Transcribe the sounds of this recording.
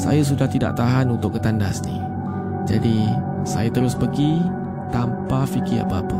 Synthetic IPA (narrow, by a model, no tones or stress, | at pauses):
sa̰jas̬udaht̪ida̰ʔ̚t̪aɦanunt̪ʊkːət̪andasnḭ̃ | d͡ʒadi | sa̰jat̪əɾʊspəɡi | t̪ampafikɪa̰pəapə